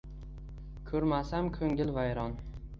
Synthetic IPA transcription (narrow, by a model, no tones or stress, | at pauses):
kʲʰɵɾmasamkʰɵŋɪlvajɾɒn